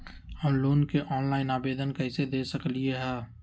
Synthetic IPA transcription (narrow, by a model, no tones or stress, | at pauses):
ɔːloːnkeʔɔːnlaːɪnaːbeːd̪ənkəɦɪsed̪eːsəklieɦɛː